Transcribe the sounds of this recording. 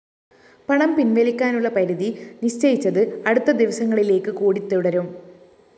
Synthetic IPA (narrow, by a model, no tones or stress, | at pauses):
pɐɳɐmpinʋɐlikʲːaːnuɭːɐpɐɾiðiniɕt͡ɕɐjit͡ɕːɐðɨɐɽut̪ːɐd̪iʋɐsɐŋːɐɭile̞ːkːɨkuːɽit̪ːuɽɐɾum